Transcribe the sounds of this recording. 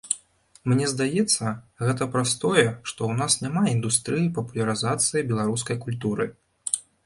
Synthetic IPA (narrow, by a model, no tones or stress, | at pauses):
mnʲɛzd̪ajɛt̪sːɐɣɛt̪̬ɐpɾast̪ɔjɛʂt̪ɔwnasnʲamaind̪ust̪ɾɨjipɐpulʲɐɾɨzat̪sɨjibʲɛlˠaɾuskɐjkulʲt̪uɾɨ